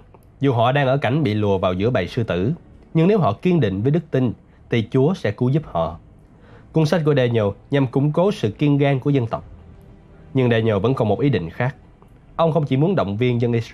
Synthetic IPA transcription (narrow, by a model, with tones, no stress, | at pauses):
zu˨˩ɦɔ̰˧˨ɗaː˧ŋʔəː˧˩ka˧˩jŋ̟ɓḭ˧˨lu˨˩əvaː˨˩wzɨ̰˧˥əɓa̰˧˨jsɨ˧t̪ɨ˧˩ɲɨ˧ŋne˨˦wɦɔ̰˧˨ki˧ənɗḭ̈˧˨ŋ̟vəː˨˦jɗɨ˦˥k̚t̪i˧n | t̪ʰi˨˩t͡ɕu˨˦əsɛ̰˧˥ku˨˦zu˦˥p̚hɔ̰˧˨ | ku˧ənswa̟˦˥ku˧˩əɗɛ˨˩ɲo˨˩ɲa˨˩mkʊ̰˧˥ŋ͡mko˨˦sɨ̰˧˨ki˧ənɣaː˧ŋku˧˩əzə˧nt̪ə˨˩wk͡p̚ | ɲɨ˧ŋɗɛ˨˩ɲo˨˩və̰˧˥nkɔ˨˩nmo˨˩t̚ʔi˨˦ɗḭ˧˨ŋ̟xaː˦˥k̚ | ʔə˧wŋ͡mxə˧wŋ͡mt͡ɕi˧˩mu˨˦ənɗə̰˧˨wŋ͡mvi˧ənzə˧nʔi˧˦˥s